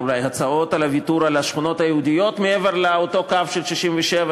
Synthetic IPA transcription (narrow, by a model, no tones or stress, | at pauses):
ulajhat͡sao̞talavituɾalaʃχuno̞t̪hajehud̪ijo̞t̪meeveʁleoto̞kavʃelʃiʃimveʃeva